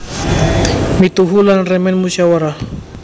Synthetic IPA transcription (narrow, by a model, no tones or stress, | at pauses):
mit̪uɦulanrɛmɛnmusawaɾah